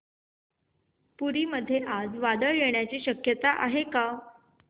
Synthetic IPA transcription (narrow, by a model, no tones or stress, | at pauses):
puɾiːməd̪ʱːjeʔad͡zʋad̪əɭjeɳjat͡ɕiːɕəkjət̪aʔa̰ɦeka